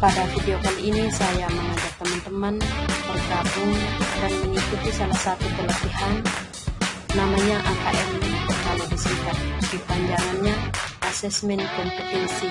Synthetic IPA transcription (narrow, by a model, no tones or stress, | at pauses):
padafideokaliinisajaməŋad͡ʒak̚t̪əmant̪əmanbərɡabʊŋdanməŋikut̪isalahsat̪ut̪ələpihan | amaɲaʔakaʔɛmt̪əkalobisikat̪̚dipaɲd͡ʒaŋanɲaʔasɛsmɛnkɔmpət̪ɛnsi